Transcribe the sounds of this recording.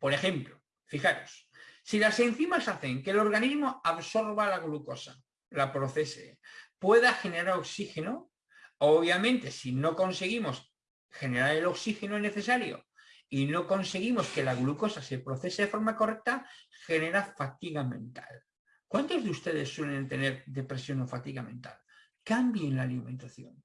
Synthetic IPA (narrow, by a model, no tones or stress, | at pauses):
po̞ɾe̞xe̞mplo | fixaɾo̞sː | ilase̞nθimasaθe̞ŋke̞ːloɾɣanizmo̞aβso̞ɾβalaɣlukosa | lapɾo̞θe̞sḛpwe̞ðaxe̞ne̞ɾaɾo̞ksixe̞no | oβ̞jamẽ̞nt̪e̞sino̞ko̞nse̞ɣ̞imo̞s | xe̞ne̞ɾaɾelo̞ksixe̞noene̞θe̞saɾjo̞̰ | ino̞ko̞nse̞ɣ̞imo̞ske̞laɣluko̞sase̞pɾo̞θe̞seðe̞fo̞ɾmako̞re̞k̚t̪axe̞ne̞ɾafat̪iɣamẽ̞nt̪a̰l | kwant̪o̞zðust̪e̞ðe̞sːwe̞le̞nt̪e̞ne̞ɾðe̞pɾe̞sjo̞no̞fat̪iɣamẽ̞nt̪a̰l | kambjenlaːlimẽ̞nt̪aθjo̞̰n